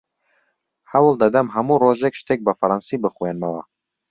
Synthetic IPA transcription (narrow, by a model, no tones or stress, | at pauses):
hɛwɨld̪ɐd̪ɛmɦɐmuːroːʒɛkʃt̪ʰeːk̚bɨfɾɑnsiːbɨxwenmɛwa̰